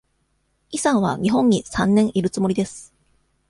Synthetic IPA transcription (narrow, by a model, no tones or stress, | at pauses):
isãɰ̃βa̰ɲ̟iɦõ̞ɲ̟ːisãnːẽ̞ɰ̃ʔiɾɯ̟t͡sɨmo̞ɾʲid̪e̞sɨ̥